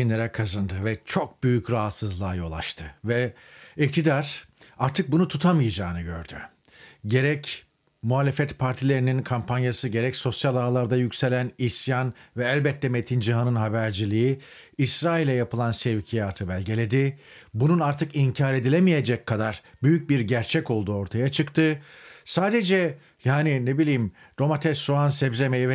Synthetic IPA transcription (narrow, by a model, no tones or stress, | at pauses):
inlʲeɾɛkʰazand̪ɯvɛt͡ʃʰo̞k̚byjycɾaɦat̪sɯzlˠaːjo̞lˠa̰ʃt̪ʰɯvɛ | ic̚t̪ʰid̪aɾ̥aɾt̪ʰɯk̚bunut̪ʰut̪ʰamɯjad͡ʒaːnɯɟø̰ɾd̪y̰ | ɟe̞ɾɛc | muɦaːlʲefɛt̪pʰaɾt̪ʰilʲe̞ɾininkʰampʰanjasɯɟe̞ɾɛcso̞sjalˠaːlˠaɾd̪ajycse̞lʲænisjanvɛælʲbɛt̪ʰːɛme̞t̪ʰind͡ʒiɦanɯnɦabæɾd͡ʒilʲiji | isɾaːilʲɛjapɯlˠansevcʰijaːt̪ʰɯbælʲɟe̞lʲe̞d̪ɪ | bununaɾt̪ʰɯkiɲcʰaːɾe̞d̪ilʲemije̞d͡ʒɛcʰːad̪aɾbyjyc̚biɾɟæɾt͡ʃʰɛco̞lˠd̪uːo̞ɾt̪ʰajat͡ʃʰɯkt̪ʰɯsaːd̪e̞d͡ʒɛ | jaːninebilʲijim | d̪o̞mat̪ʰɛsuansɛbze̞mejivɛ